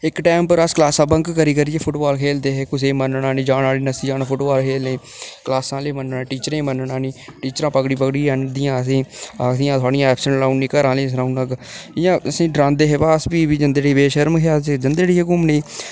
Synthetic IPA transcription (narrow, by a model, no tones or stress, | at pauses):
ɪkʈɛːmpəɾəsklaːsãːbəŋkkəɾiːkəɾijeːpʰʊʈbaːlkʰeːld̪eːɦeːkʊs̬eːmənɳãːnĩːd͡ʒaːnaːliːnəsiːd͡ʒaːnaːpʰʊʈbaːlkʰeːlneː | klaːsãːleːmənnãːʈiːt͡ʃəɾẽːmənɳãːnĩːʈiːt͡ʃɾãːpəɡɽiːpəkɽiːãːnd̪ɪjãːəs̬ĩːasɪjãːt̪ʰwaːɽijãːɛːpsəɳlaːunːiːkəɾãːleːs̬ɾaːunəɡɪjãːəsĩːɖɾãːnd̪eːɦeːbaːsbiːbiːd͡ʒənd̪eːɽiːbeːʃəɾmkʰead͡ʒənd̪eːɽiːɦekʊmneː